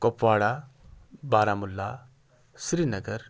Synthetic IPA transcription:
kopʋaːɽa | baːɾamulːa | sɾiːnɐɡəɾ

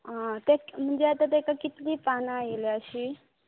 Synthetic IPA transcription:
ãt̪akm̤əɳd͡zeat̪at̪ekakit̪liːpanaeleəɕiː

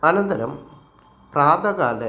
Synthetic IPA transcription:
ɐnɐnd̪ɐɾɐm | praːd̪ɐɣaːlɐ

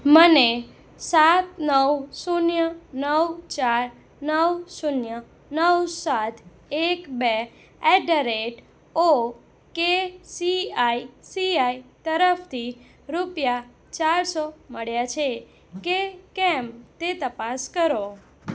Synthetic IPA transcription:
məne | sat̪nəwsunjənəwt͡ʃaɾ | nəwsunjə | nəwsat̪ʰ | ekbe | ɛɖəɾeʈ | o | kesiaisiait̪əɾəft̪ʰi | ɾupja | t͡ʃaɾsoməɭjat͡ʃʰe | kekɛmt̪et̪əpaskəɾo

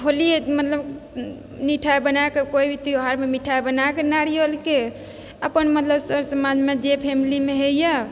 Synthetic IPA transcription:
oliemət̪ləb | niʈʰaebənaekekoibʱit̪ioɦaɾmemiʈʰaebənakenaɽijolke | əpənmət̪ləbsəɾsəmad͡ʒmed͡ʒepʰemilimeɦejə

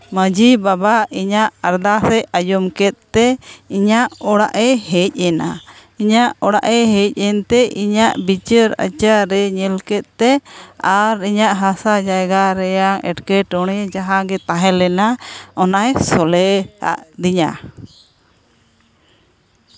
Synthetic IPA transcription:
məd͡ʒibabaiɲaʔaɾd̪asɛʔajɔmkɛt̪̚t̪ɛiɲaʔɔɽaʔɛɦɛtc̚ˀɛna̰iɲaʔɔɽaʔɛɦɛc̚ˀɛnt̪ɛʔiɲaʔbit͡ʃəɾə̰t͡ʃaɾɛɲɛlkɛt̪̚t̪ɛaɾiɲaʔɦasad͡ʒajɡaɾɛjaŋɛ̰ʈkɛʈɔɽ̃ɛd͡ʒaɦaɡɛt̪aɦɛ̃lɛnaɔnajsɔlɛa̰ʔd̪iɲa̰

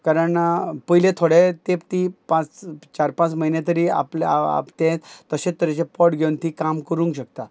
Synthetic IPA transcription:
kaɾəɳpəjlẽt̪ʰoɽet̪ept̪ipãt͡st͡ɕaɾpãt͡sməɦinẽt̪̬əɾiːa̰pla̰t̪ẽt̪əɕẽt̪ːəɾet͡ɕepɔʈɡʱeunt̪ikamkəɾũŋkɕək̚t̪a

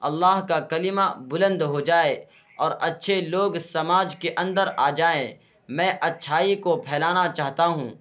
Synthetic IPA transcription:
ɐlːaːɦkakɐlɪmabʊlə̃nd̪ɦod͡ʒaːe | ɔːɾɐtːʃʰeloːɡsɐmaːd͡ʒkeʔɐ̃nd̪əɾaːd͡ʒaːẽ | mɛ̃ːʔɐtːʃʰaːikopʰɛːlaːnat͡ʃaːɦt̪aɦũː

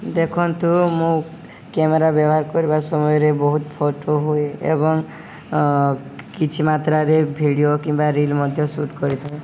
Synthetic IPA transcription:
d̪ekʰɔnt̪umũ | kemeɾabjɔbɔɦaɾkɔɾibasɔmɔjɔɾebɔɦut̪pʰoʈoɦueḛbɔŋ | kit͡ʃʰimat̪ɾaɾebʱiɽijokimbaɾilmɔd̪ʱjɔsuʈkɔɾit̪ʰae

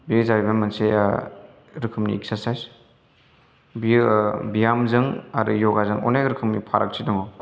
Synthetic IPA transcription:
biɯzabibamanse | ɾɯkʰɯmniɛk̚saɾsajz | bibijamzɯŋaɾujɔɡazɯŋɔ̰nejkɾɯkʰɯmnipʰa̰ɾʔak̚sʰidɔŋɔ

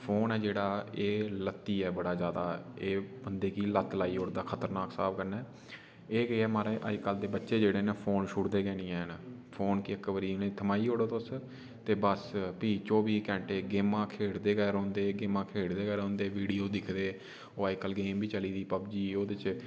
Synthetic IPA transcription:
pʰoːnɛːd͡ʒeːɽaːeːlət̪ːiːɛːbəɽaːzjaːd̪aːeːbənd̪eːkiːlət̪laːiːoːɽd̪aːkʰət̪əɾnaːksaːbkəɾnɛː | eːkeɛːmaːɾeːʔəd͡ʒkəld̪eːbətːʃeːd͡ʒeːɽeːneːpʰoːnʃʊʈd̪eːɡɛ̃ːnĩːɛ̃ːnpʰoːnkiəkːʋəɾiːnẽːt̪ʰəmaːiːɦoːɽot̪os | t̪eːbəspiːt͡ʃoːbiːkɛ̃ːɳʈeːɡeːmãːkʰeːɽd̪eːɡɛːɾõːnd̪eːɡeːmãːkʰeːɽd̪eːɡɛːɾõːnd̪eːʋiːɽijoːd̪ɪkʰd̪eː | oːəkəlɡeːmbiːt͡ʃəliːd̪iːpəbd͡ʒiːoːd̪ɪt͡ʃ

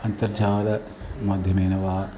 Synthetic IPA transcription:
ɐnt̪ɐɾd͡ʒʱaːlɐ | maːd̪ʱjɐmeːnɐʋaː

